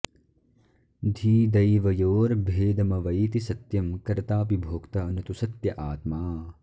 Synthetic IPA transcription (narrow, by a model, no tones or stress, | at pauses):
d̪ʱiːd̪ɐjʋɐjoːɾbʱeːd̪ɐmɐʋɐjt̪isɐt̪jɐmkɐɾt̪aːpibʱoːkt̪ɐɐnɐt̪usɐt̪jɐʔaːt̪maː